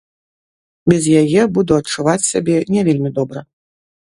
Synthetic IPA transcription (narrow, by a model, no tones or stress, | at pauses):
bʲɛzjajɛbud̪uɐt͡ʂːuvat͡sʲsʲabʲɛnʲɛvʲelʲmʲid̪ɔbɾɐ